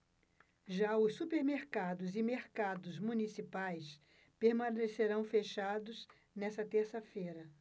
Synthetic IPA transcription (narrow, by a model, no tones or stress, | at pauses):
ʒaʊsːupeɾmeɾkad̪ʊzɪmeɾkad̪ʊzmunisipajs | peɾmɐ̃neseɾɐ̃w̃feʃad̪ʊs | nɛsɐt̪eɾsɐfejɾɐ